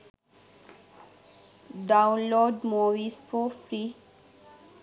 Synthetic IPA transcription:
ɖawnloɖmoʋisfofʰɾi

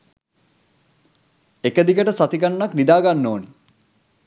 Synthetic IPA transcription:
ekəd̪ikəʈəsat̪iɡanːaknid̪aːɡanːoːni

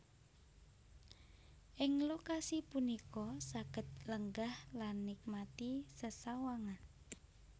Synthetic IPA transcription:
ʔɪŋlokasipunikɔsaɡ̥ə̤t̪̚ləŋɡahlanːik̚mat̪isəsawaŋan

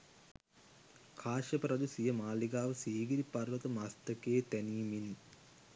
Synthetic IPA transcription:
kʰaːʃɐpɾɐd̪usijəmaːliɡaːʋəsiːɡiɾipɐrʋɐt̪əmast̪əkeːt̪æniːmin

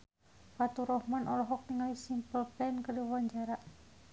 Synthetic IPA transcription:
pat̪uɾɔhmanʔɔlɔɦɔk̚niŋalisimpəlpɛnkadiwaɲd͡ʒaɾa

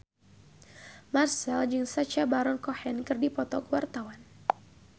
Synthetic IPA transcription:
marsɛld͡ʒɨŋsat͡ʃabaɾɔnkɔhɛnkɨrdipɔt̪ɔkwart̪awan

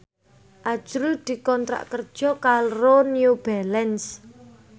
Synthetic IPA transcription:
ʔḁʒ̥ɾud̪̥i̤kɔnt̪ɾa̰ʔkərd̥ʒ̥ɔ̤kaɾonjub̥ɛlɛns

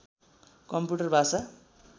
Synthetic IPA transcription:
kʌmpuʈʌrbʱasa

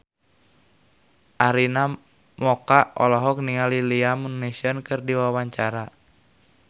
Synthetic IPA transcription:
ʔaɾina | mɔkaʔɔ̰lɔɦɔk̚niŋaliliamunːesiɔnkɨrdiwawaɲt͡ʃaɾa

